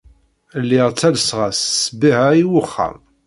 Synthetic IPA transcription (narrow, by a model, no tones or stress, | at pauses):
lːɪʁt͡sːælsʁassbiɦaiwʊχːæ̰m